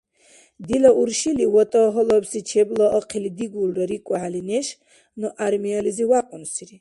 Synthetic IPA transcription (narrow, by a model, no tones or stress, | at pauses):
d̪ilaʔuɾʃiliwɔt̪ʼɔɦɔlɔbsit͡ʃʰɛblɔʔɔqʰilid̪iɡulɾɔɾikʼɔʕalinɛʃ | nɔʔaɾmiɔliziwaqʼunsiɾi